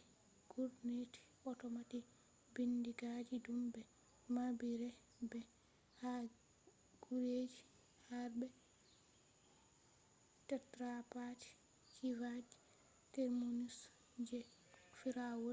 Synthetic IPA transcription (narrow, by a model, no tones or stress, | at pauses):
ɡ̥uɾneti̥ | ɔtɔmati | bindiɡad͡ʒidumbɛ | mabiɾɛ | bɛ | ha | ɡ̥uɾed͡ʒi | haɾbɛ | tɛtɾapati̥ | kʰivad͡ʒi̥ | tɛɾmunis | d͡ʒɛ | fiɾawo